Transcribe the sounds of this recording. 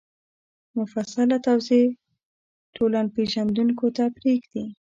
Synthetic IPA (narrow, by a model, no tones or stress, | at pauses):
mʊfasalat̪awze | tʰolanpeʒand̪uŋkot̪apɾeɡd̪i